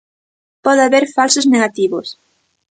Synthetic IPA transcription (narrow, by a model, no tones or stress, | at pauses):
pɔðɪaβeɾfalsʊzneɣat̪iβʊs